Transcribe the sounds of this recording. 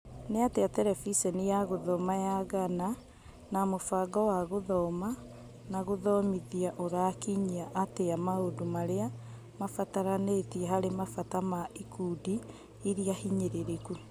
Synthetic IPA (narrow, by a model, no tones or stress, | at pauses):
neateatɛɾɛfisɛnijaɣoðɔmajaɣana | namofaɡɔwaɣoðɔma | naɣoðɔmiðiaʔoɾakiɲiaʔateamaodomaɾea | mafataɾanetiɛɦaɾemafatamaikuːdi | iɾiahiɲeɾeɾeku